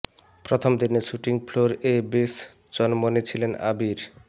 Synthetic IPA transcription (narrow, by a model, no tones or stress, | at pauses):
pɾot̪ʰomd̪ineʃuʈiŋfʰloɾebes | t͡ɕɔnmonet͡ɕʰilena̰biɾ